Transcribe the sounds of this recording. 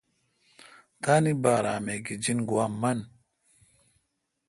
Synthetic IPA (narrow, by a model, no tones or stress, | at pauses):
tanibaɾameɡid͡ʒinɡuamːan